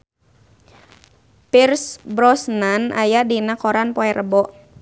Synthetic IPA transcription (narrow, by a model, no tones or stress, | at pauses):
pirsbɾɔsnanʔa̰jadinakɔɾanpɔɛɾʔəbɔʔ